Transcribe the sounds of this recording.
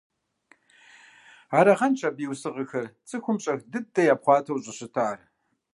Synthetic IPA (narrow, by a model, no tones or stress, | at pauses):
aːɾɐʁɐnt͡ʃʰɐbiːwsɨʁəxɐrt͡sʼɨxʷʊmɕʼɐxdɨdɐjaːpχʷɑːtʰɐwɕʼɐɕɪtʰaːr